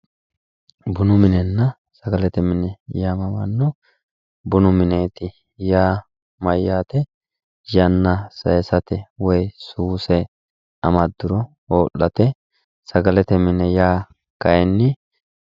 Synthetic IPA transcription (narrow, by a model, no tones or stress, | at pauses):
bʊnʊmɪnɛnːɐ | sɐɡɐlɛt̪ɛmɪnɛjaːmɐmɐ̰nːɔ | bʊnʊmɪne̞ːt̪ɪ | jaː | mɐjːaːt̪ɛ | jɐnːɐsɐjsɐt̪ɛwɔjsuːsɛ | ɐmɐd̪ːʊɾɔ | oːʔːɐt̪ɛ | sɐɡɐlɛt̪ɛmɪnɛjaː | kɐjɛnːɪ